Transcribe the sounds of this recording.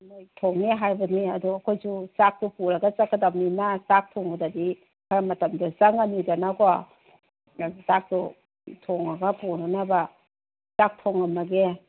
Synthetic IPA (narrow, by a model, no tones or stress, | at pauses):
mojtʰoŋneɦajbɐniɐduɐkʰojzusak̚tupuɾaɡat͡ʃakadapninasak̚tʰɔŋbadadi | kʰaɾamɐtamdazaŋanidanakɔa | asak̚tu | tʰɔŋaɡapuɾanaba | sak̚tʰoŋamaɡe